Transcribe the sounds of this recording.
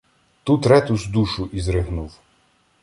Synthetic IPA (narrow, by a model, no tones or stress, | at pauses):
t̪ut̪ɾɛt̪ʊzd̪uʃʊʔizɾɪɦnuw